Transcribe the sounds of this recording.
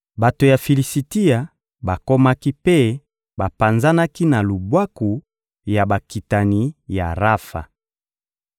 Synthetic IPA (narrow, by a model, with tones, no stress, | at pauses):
ba˨to˨ja˨fi˨li˨si˨ti˦a˨ | ba˨ko˦ma˦ki˦pe˦ | ba˨pa˨nza˦na˦ki˦na˨lu˨bwa˦ku˨ | ja˨ba˨ki˨ta˨ni˨˦ja̰˨ʁa˦fa̰˨